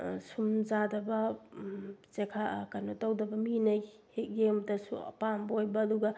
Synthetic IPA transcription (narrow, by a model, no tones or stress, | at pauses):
sumzadɐbɐ | t͡ʃekʰakanotawdɐbɐminaj | hek̚ɡemtɐsṵpambojbɐːduɡɐ